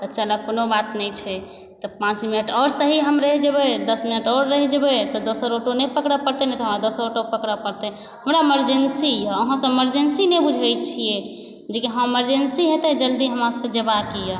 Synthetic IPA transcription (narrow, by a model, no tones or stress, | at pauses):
t̪ɔt͡ʃələkonobat̪nɛt͡ʃʰɛ | t̪ɔpãt͡ʃminəʈʰɔɾsəɦiɦəmɾəɦid͡ʒebɛd̪əsminəʈɔɾɾəɦid͡ʒebɛt̪ɔd̪osəɾoʈonepəkɾəpəɾt̪enɛt̪ɔɦəmɾad̪osəɾoʈopəkɾəpəɾt̪ɛ | ɦəmɾaeməɾd͡ʒensiəɦãsə̃eməɾd͡ʒensinebud͡ʒʱəjt͡ʃʰije | d͡ʒekiɦə̃meməɾd͡ʒensiɦet̪ɛd͡ʒəld̪iɦəmasked͡ʒəbakijə